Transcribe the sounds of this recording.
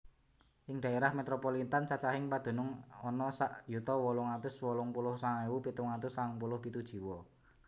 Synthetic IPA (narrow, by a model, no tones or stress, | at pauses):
ʔɪŋd̪̥a̤eɾahmet̪ɾopolit̪ant͡ʃat͡ʃaɦɪŋpad̪̥o̤nʊŋɔnɔsaʔjut̪ɔwɔlʊŋat̪ʊswɔlʊŋpulʊhsaŋewupit̪ʊŋat̪ʊsaŋpulʊhpit̪ud̥ʒ̥i̤wɔ